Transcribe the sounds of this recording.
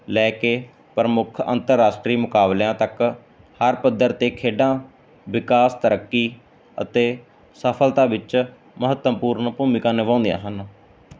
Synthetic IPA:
lɛːkeː | pɾəmʊkʰə̰nt̪əɾːaːsʈɾiːmʊkaːbljãːt̪ək | həɾpəd̪ːəɾt̪eːkʰeːɖãː | ʋɪkaːst̪əɾəkːiː | ə̰t̪eː | səpʰəlt̪ãːʋɪt͡ʃ | məɦət̪ːəmpuːɾnpuːmɪkãːneʋãːnd̪jã̰ːɦən

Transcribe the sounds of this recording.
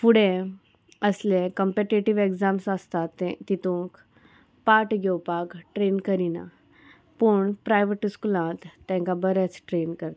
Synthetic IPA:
fuɽẽ | əslẽkəmpeʈiʈiʋeɡzamsəst̪at̪ːit̪ũŋk | paʈɡewpakʈɾenkəɾina̰ | puɳpɾajʋeʈiskulãt̪ːɛ̃ŋkabəɾɛt͡sʈɾenkəɾt̪

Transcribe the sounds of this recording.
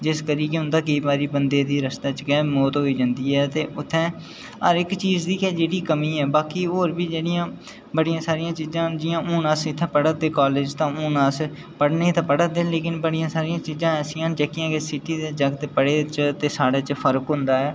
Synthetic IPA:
d͡ʒɪskəɾiːkɪɦʊ̃nd̪aːk̬əiːbaːɾiːbənd̪eːd̪iːɾəst̪aːt͡ʃɡɛːmoːt̪ɦoːiːd͡ʒãːnd̪iːɦɛːt̪eːʔʊt̪ʰːɛ̃ː | ə̰ɾɪkt͡ʃiːzd̪iːkɛːd͡ʒeːɽiːkəmiːɛːbaːkiːɦoːɾbiːd͡ʒeːɽɪjãː | bəɽɪjãːsaːɾɪjãːt͡ʃiːzãːd͡ʒɪjãːʔoːnaːsɪt̪ʰːɛ̃ːpəɽəd̪eːkaːleːd͡ʒt̪ãːõːnaːs | pəɽneːt̪ãːpəɽəd̪eːleːkɪnbəɽɪjãːsaːɾɪjãːt͡ʃiːzãːsɪjãːd͡ʒɛːkːɪjãːkesɪʈiːd̪eːd͡ʒəɡt̪eːpəɽeːt͡ʃt̪eːsaːɽeːt͡ʃəpʰəɾkɦʊ̃nd̪aːɦɛː

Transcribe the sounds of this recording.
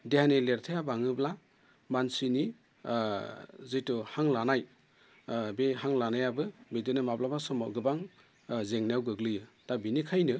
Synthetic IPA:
deɦanileɾtʰejabaŋɯbla | mansini | zɯtuhaŋlanaj | beɦaŋlanajabɯbedɯnɯmablabasɔmɔ̰ɡɯbaŋ | zeŋnjawɡɯɡlɯjɯd̥abinikʰajnɯ

